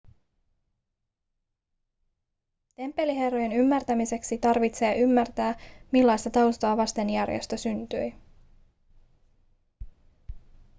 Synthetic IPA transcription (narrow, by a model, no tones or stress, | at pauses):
t̪e̞mpːe̞liɦe̞rːoje̞nymːært̪æmise̞ksit̪ɑrʋit̪se̞ːʔymːært̪æːmilːɑjst̪ɑt̪ɑwst̪ɑːʋɑst̪e̞njærjḛst̪øsynt̪yj